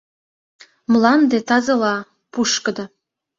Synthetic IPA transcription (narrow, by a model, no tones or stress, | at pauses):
mlˠɑnd̪et̪ɑzɤ̆lɑ | puʃkə̆d̪ɤ̆